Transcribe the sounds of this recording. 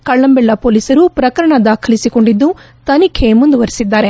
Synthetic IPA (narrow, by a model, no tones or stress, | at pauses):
kɐɭːɐmbɛɭːɐpoːliːsɐɾupɾɐkɐɾɐɳɐd̪aːkʰɐlisiko̞ɳɖid̪ːu | t̪ɐnikʰemund̪uʋɐɾisid̪ːaːɾe̞